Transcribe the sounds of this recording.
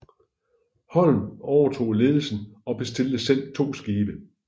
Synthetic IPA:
hɒ̽l̰n̩ɒʊɐt͡sʰo̝̰ːle̝ːð̞ˠl̩sn̩ɒ̽b̥e̝sd̥e̝ld̥əsel̰t͡sʰo̝̰ːsɡ̥iːb̥ə

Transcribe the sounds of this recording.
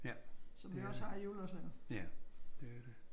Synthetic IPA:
jæsɒ̽miɒshɑ̈æjuːløsneŋɐæd̥ede

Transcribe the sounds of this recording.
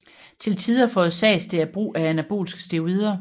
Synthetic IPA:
t͡sʰe̝lt͡sʰiðˠɐfɔ̽ːð̩ˠsɛ̰ːsd̥e̝æɐb̥ʁṵːʔæænæb̥o̝̰ːlsɡ̥ə̥sd̥e̝o̝ʁiːð̞ˠɐ

